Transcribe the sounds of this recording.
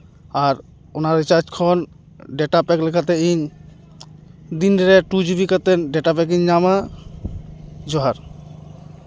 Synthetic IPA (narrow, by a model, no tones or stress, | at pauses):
aɾ | onaɾit͡ʃaɾd͡ʒkʰɔn | ɖɛʈapɛklɛkʰat̪̬ɛiɲ | d̪inɖɛɾɛʈud͡ʑibikat̪ɛɖɛʈapɛk̬iɲːama | d͡ʒɔɦaɾ